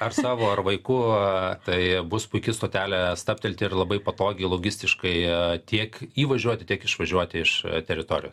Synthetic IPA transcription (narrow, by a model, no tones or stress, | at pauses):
ɐrsɑːʋoːɐrʋɐɪkʊt̪ɐɪbʊspʊɪkʲɪst̪oːt̪ʲæːlʲɛst̪ɐp̚ʲt̪ʲɛlʲt̪ʲɪɪrlˠɐbɐɪpɐt̪oːɡʲɛɪlˠoːɡʲɪsʲt̪ʲɪʃkɐɪt̪ʲiɛkiːʋɐʒʲuɔt̪ʲɪt̪ʲiɛkɪʃʋɐʒʲuɔt̪ʲɪɪʃt̪ʲɛɾʲɪt̪oːɾʲɪjoːs